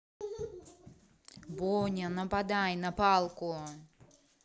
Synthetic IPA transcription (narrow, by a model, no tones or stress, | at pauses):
bɔnʲɐnɐpad̪ajnɐpalˠkʊ